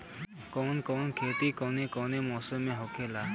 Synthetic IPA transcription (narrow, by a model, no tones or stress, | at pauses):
kɔnkɔnkʰet̪ikɔnekɔnemɔsɔmẽɦɔkʰela